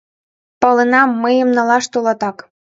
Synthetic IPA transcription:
pɤlenɑmːəjə̆mnɑ̆lɑʃt̪olɑt̪ɑk

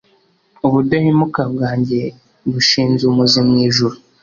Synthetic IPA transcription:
uβudahimukabɡaːɲɟe̞ | βuʃiːnzumuzimɲiːʒuɾu

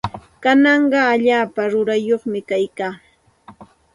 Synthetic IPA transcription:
kanɑɴɢɑːʎaːpaɾʊɾajoχmɪkajkaː

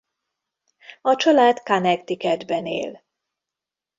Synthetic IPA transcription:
ɒt͡ʃɒlaːd̪kanɛkt̪ikɛd̪bɛnḛːl

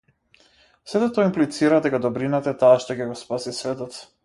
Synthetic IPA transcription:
sɛt̪ɛt̪ɔimplit̪siɾad̪ɛkad̪ɔbɾinat̪aɛt̪aːʃt̪ɔcɛɡɔspasisvɛt̪ɔt̪s

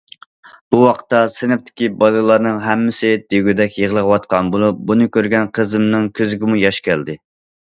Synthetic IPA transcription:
b̥uwɑqʰə̥t̪ːɑsɪnɪp̚t̪ʰɪ̥kʲibɑlˠɨlˠɑɾnɨŋɦɛmːɪsɪd̪̥eɡʲyd̪ɛkʲjəʁəlˠəʁəwɑt̪̚qʰɑnbolˠup̚bunɨkʲʰøɾɡʲɛnqʰəzɨmnɨŋkʲʰøzɪɡʲɪmujɑʃkʲʰɛld̪ɪ

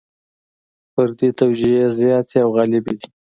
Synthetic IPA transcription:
pəɾd̪et̪awd͡ʒijezjɑt̪ʰeawɣɑlɪbid̪i

